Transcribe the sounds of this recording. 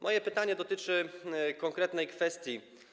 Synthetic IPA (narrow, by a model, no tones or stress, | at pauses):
mʔɔjɛpɘt̪aɲɛd̪ɔt̪ɘt͡ʂɘkɔŋkɾɛt̪nɛjkfɛst̪ʲji